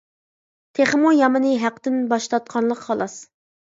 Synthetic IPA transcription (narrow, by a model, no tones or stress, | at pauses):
t̪ʰeχmujɑmɨnɨɦæqd̪ɪnbɑʃt̪ɑt̪̚qʰɑnlˠəqhɑlˠɑs